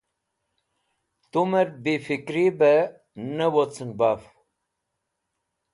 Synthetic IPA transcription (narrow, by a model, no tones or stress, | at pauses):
t̪umeɾbifikɾibe | nəwot͡sʰɨŋɡbaf